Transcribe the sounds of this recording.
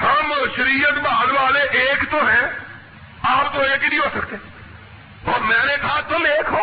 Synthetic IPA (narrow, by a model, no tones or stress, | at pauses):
hãːməʃəɾiːət̪baːnʋaːleːʔeːkt̪õːɦɛ̃ː | aːpt̪oːɦeːkɪd̪iːɦoːsək̚t̪e | oːmɛ̃ːneːkʰaːt̪õːmeːkʰɦoː